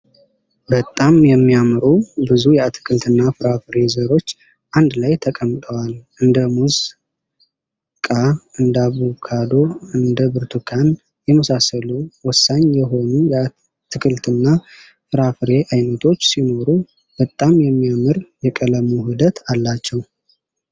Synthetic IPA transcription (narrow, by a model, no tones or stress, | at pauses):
bət̪ʼːamjɛmːiamɨɾubɨzujɛat̪ʰɨ̥kʰɨlt̪ʰɨnːafɨɾafɨɾe̞zəɾo̞t͡ʃː | ʔand̪lajt̪ʰəkʼəmt̪ʼəwalʔɨnd̪əmuz | kʼaɨnd̪aβukʰad̪o̞ɨnd̪əbɨɾt̪ʰukʰan | jɛməsasəluwɔsːaɲjɛɦo̞nujɛa | t̪ʰɨkʰɨlt̪ʰɨnːa | fɨɾafɨɾe̞ʔajnət̪ʰo̞t͡ʃːsino̞ɾu | bət̪ʼːamjɛmːiamɨɾjɛkʼələmuɦud̪ət̪ʰalːat͡ʃːɛw